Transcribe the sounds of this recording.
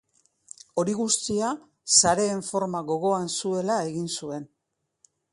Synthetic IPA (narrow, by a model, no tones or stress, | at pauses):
o̞ɾiɣust̪ia | saɾe̞ːɱfo̞ɾmaɣo̞ɣo̞ansue̞lae̞ɣinsue̞n